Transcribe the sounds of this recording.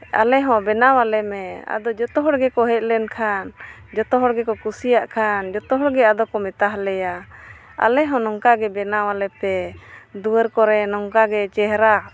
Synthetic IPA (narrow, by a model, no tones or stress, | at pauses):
a̰lɛɦɔ̃bɛnawalɛmɛa̰d̪ɔd͡ʒɔt̪ɔɦɔɽɡɛkɔɦɛt̪̚lɛnkʰan | d͡ʒɔt̪ɔɦɔɽɡɛkɔkusijaʔkʰand͡ʒɔt̪ɔɦɔɽɡɛad̪ɔkɔmɛt̪aɦlɛjaa̰lɛɦɔ̃nɔŋkaɡɛbɛnawalɛpɛd̪uwəɾkɔɾɛnɔŋkaɡɛt͡ʃɛɦɾa